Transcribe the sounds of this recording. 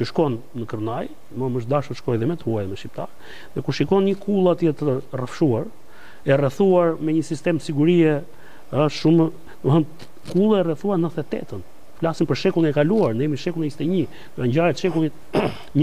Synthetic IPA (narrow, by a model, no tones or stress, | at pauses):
t͡ʃəʃkɔnːəkəɾnaj | məməʃd̪aʃɔʃkɔjðɛmɛt̪huajðɛmɛʃip̚t̪a̰ɾ | ðɛkuʃikɔnɲəkʰulˠat̪jɛt̪ərəfʃuaɾ | ɛrɛθuaɾmɛɲəsist̪ɛmsiɡuɾiɛ | əʃumə | əɦən | kulˠaɛrɛθuaɾnəθɛt̪ɛ̰t̪ən | flasinpəɾʃɛkulˠinɛkaluaɾnɛmiʃɛkulˠinist̪ɛɲi | ɔɾaɲɟaɾɛt̪ʃɛkulˠit̪ | ɲ